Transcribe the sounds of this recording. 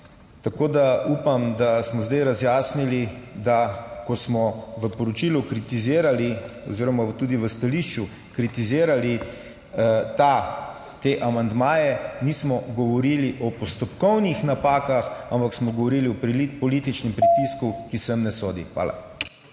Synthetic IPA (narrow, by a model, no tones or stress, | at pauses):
t̪akoːd̪aupamd̪asmɔzd̪ajɾazjaːsnilid̪akɔsmɔʋəpɔɾɔt͡ʃiːlukɾit̪izeːɾaliɔ̰ziːɾɔmat̪uːd̪iʋəst̪aliʃt͡ʃu | kɾit̪izeːɾali | t̪a | t̪eʔamand̪maːjɛniːsmɔɡɔʋɔɾiliʔɔpɔst̪ɔpkɔwnixnapaːkaxampaksmɔɡɔʋɔɾiːliɔpipɔliːt̪it͡ʃnɛmpɾit̪iskukisɛmnɛsoːd̪ḭxʋa̰ːla̰